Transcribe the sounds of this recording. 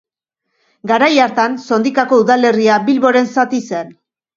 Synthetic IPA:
ɡaɾajaɾt̪anso̞nd̪ikako̞uðale̞riabilβo̞ɾe̞nsat̪ise̞n

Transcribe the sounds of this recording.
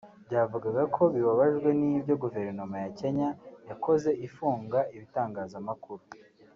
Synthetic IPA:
bɟaːvuɡaɡakʰo̞βiβaβaʒɡwe̞nibɟo̞ɡuve̞ɾno̞majace̞ɲajako̞ze̞ʔifuːŋɡaʔiβitaːŋɡaːzamakuɾu

